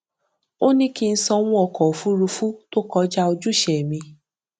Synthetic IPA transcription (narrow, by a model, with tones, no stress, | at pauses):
o˦nĩ˦ki˦˧n̩˦sɔ˧w̃ũ˦ɔ˨kɔ˨o˨fu˨˦ɾu˧fu˦to˦kɔ˧˦d͡ʒa˦o˧d͡ʒu˦ʃɛ˨mĩ˧